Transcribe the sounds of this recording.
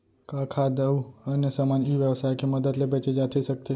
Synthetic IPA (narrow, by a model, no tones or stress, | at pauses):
kãkʰad̪əuənjəsamaniʋjəʋsajkeməd̪əd̪lebɛt͡ʃed͡ʒat̪ʰesəkt̪e